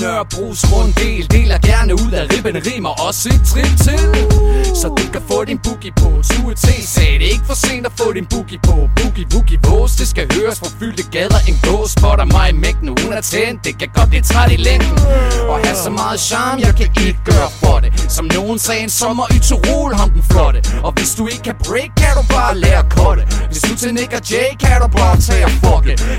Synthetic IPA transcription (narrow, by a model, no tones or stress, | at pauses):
nœɐ̰b̥ʁṵːsmɔend̥e̝̰ːld̥e̝̰ːlæɐɡ̥æɐnəuð̰ˠæʁib̥ənəʁḭːmɑʔɒ̽st͡sʰʁiʊ̥t͡sʰe̝lsɒ̽d̥ukʰæfɔ̰ːd̥inb̥uɡ̥ipʰɔ̰sut͡sʰe̝̰ːsɛːɾ̥e̝e̝ɡ̥əfɒ̽se̝̰ːnd̥æfɔ̰̽ːd̥inb̥uɡ̥ipʰɔb̥uɡ̥ib̥uɡ̥ipʰɔːsd̥e̝sɡ̥æhøːɐsfʁɑ̈fy̰l̰d̥əɡ̥ɛðˠɐʔe̝nɡ̥ɔ̰̽ːsb̥ɒɾɑmɑ̈ɪmeɡ̥̚d̥noːæt͡sʰend̥e̝kʰæɡ̥ɒd̥d̥et͡sʰʁɑdilend̥n̩ɒ̽hæsɒ̽mɑːð̩ˠɕɑ̈ːmjɑ̈ɪkʰæʔe̝ɡ̥əɡ̥ɶːɐfɒɾ̥esɒ̽mno̝ːn̩sɛːnsɒ̽mɒ̽ʔyt͡sʰuʁṵlhɑ̈md̥n̩flɒ̽ɾ̥əɒ̽ʋe̝sd̥ue̝ɡ̥ə̥kʰæb̥ʁeɪɡ̥̚kʰːæɾ̥ub̥ɑ̈ːlɛːɐkʰɒɾ̥əʋe̝sd̥ut͡sʰeneɡ̥ɐd̥eɪkʰæɾ̥ub̥ɑ̈ːt͡sʰɛ̰ːɐfɒd̥e